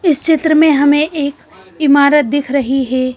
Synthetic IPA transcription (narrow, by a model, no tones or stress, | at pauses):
ɪst͡ʃɪt̪ɾəmẽɦɐmẽʔeːk | ɪmaːɾət̪̚d̪ɪkʰɾɐɦiɦɛː